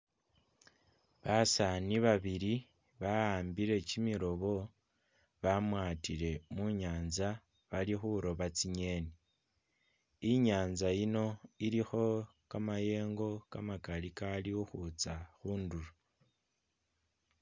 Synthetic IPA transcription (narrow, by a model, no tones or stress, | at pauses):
βasaniβaβiɾi | βaaːmbiɾe̞cimiɾo̞βo̞ | βamwaːtile̞muɲaːnza | βalixuɾo̞βat͡siɲe̞ni | iɲaːnzajino̞iɾixo̞kamaje̞ːŋɡo̞kamakalikaliuxut͡saxuːnduɾu